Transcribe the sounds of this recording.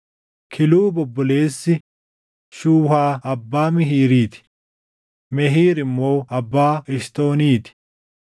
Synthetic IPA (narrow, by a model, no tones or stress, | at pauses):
kʰɪluːbɔbːɔle̞ːsːɪ | ʃuːhaːɐbːaːmɪɦiːɾiːt̪ɪ̥ | mɛɦiːɾɪmːo̞ːɐbːaːɪʃt̪o̞ːniːt̪ɪ̥